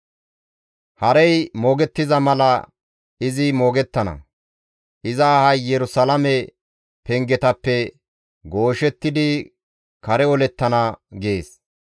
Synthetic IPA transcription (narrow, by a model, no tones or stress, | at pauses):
hɐɾɛjmo̞ːɡɛt̪ːɪzɐmɐlɐ | ɪzɪmo̞ːɡɛt̪ːɐnɐ̰ | ʔɪzɐːhɐjːɛɾʊsɐlɐmɛ | pɛŋɡɛt̪ɐpːɛ | ɡo̞ːʃɛt̪ːɪd̪ɪ | kɐɾɛɔlɛt̪ːɐnɐɡeːs